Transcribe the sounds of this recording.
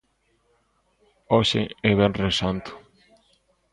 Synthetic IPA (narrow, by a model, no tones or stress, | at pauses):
ɔʃɪ̰ɛβɛnresant̪ʊ̥